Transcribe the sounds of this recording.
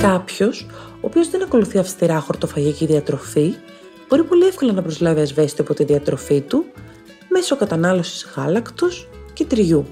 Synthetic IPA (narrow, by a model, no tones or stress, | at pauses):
kɐpço̞s | oːpio̞zðe̞nɐko̞luθiɐfst̪iɾɐxo̞ɾt̪o̞fɐʝiciðiɐt̪ɾo̞fi | b̥o̞ɾipo̞liefko̞lɐnɐpɾozlɐviɐzvesit̪iɐpo̞t̪iðiɐt̪ɾo̞fit̪u | me̞sokɐt̪ɐnɐlo̞si̥z̥ɣɐlɐkt̪o̞scet̪ɾiʝu